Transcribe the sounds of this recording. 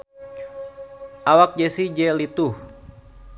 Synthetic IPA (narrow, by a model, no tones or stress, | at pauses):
ʔawak̚d͡ʒɛsid͡ʒɛlit̪uh